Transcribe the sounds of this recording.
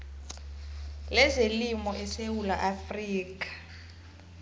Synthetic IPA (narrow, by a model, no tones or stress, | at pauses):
lɛzelimɔʔɛsewulaʔafriːk̬ʼḁ